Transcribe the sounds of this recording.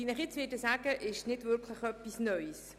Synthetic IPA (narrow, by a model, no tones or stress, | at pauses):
iːnɪχjɪt͡sʋɪdəsaːɡ̥əʔɪʃnɪdvʏɾkʰləχœpːisnœʏs